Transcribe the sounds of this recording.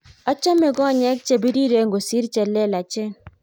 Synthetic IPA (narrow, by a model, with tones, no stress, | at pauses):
a˦t͡ʃɔ˦me˨ɡɔ˦˨ɲɛ˦k̚t͡ʃe˨bi˦ɾi˦ɾe˨ŋɡo˨si˦ɾt͡ʃɛ˨lɛ˦la˨t͡ʃɛ˦n